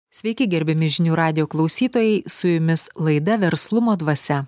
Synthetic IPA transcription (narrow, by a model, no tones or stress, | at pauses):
sʲʋʲɛɪkʲɪɡʲɛɾʲbʲɛmʲɪʒʲɪnʲuːɾɑːd̪ʲɪjoːklˠɐʊsʲiːt̪oːjɛɪsʊjʊmʲɪslˠɐɪd̪ɐʋʲɛɾslˠʊmoːd̪ʋɐsʲɛ